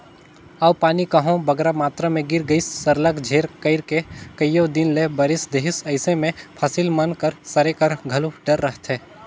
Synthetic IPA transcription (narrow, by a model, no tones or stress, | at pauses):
ɐʋpaːnikɐɦõbɐɡɾamaːt̪ɾamẽɡɪɾɡəisːɐɾləkd͡ʒʱeːɾkəɪɾkekəjjod̪ɪnlebɐɾɪsd̪eːɦɪsɐɪsemẽpʰɐsɪlmɐnkəɾsɐɾekɐɾɡʱɐluɖəɾːəɦt̪ʰɦeː